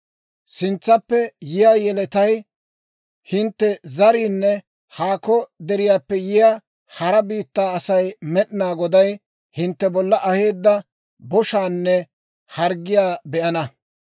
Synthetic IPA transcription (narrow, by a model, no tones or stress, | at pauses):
sɪnt͡sːɐpːɛjɪjaːjɛlɛt̪ɐj | hɪnt̪ːɛzɐɾiːnːɛ | haːkɔd̪ɛɾɪjaːpːɛjɪjaː | hɐɾɐbiːt̪ːaːɐsɐjmɛɗɪnaːɡɔd̪ɐj | hɪnt̪ːɛbɔlːɐʔɐhe̞ːd̪ːɐ | bɔʃaːnːɛ | hɐɾɡɪjaːbɛʔɐnɐ